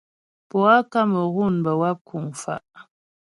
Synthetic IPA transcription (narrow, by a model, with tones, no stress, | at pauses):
pɔ˨a˦ka˦mə˨ɣu˦˨nbə˨wa˦p̚kʰu˨ŋfa̰˨ʔ